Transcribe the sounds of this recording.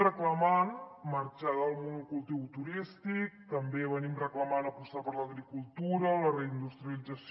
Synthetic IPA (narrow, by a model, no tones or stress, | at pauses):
rəklamanmaɾt͡ʃaðəlˠmunukulˠt̪iwt̪uɾist̪ik̚t̪əmbeβənimrəklamanapust̪apəɾlaɣɾikulˠt̪uɾələreind̪ust̪ɾjialid͡zas